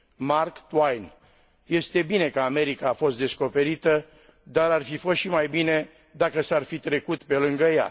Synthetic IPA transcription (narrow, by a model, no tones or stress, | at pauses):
markt̪wajn | je̞st̪e̞bine̞kəame̞ɾikaːfo̞st̪d̪e̞sko̞pe̞ɾit̪ə | d̪aɾarfifo̞st̪ʃimajbine̞ | d̪akəsarfit̪ɾe̞kut̪pe̞lɨŋɡəja̰